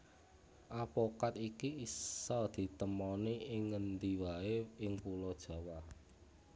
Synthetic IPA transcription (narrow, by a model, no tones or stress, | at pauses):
ʔapɔkat̪ikiisɔd̪̥i̤t̪əmɔniʔɪŋːənd̪iwaeɪŋpulɔd̥ʒ̥ä̤wa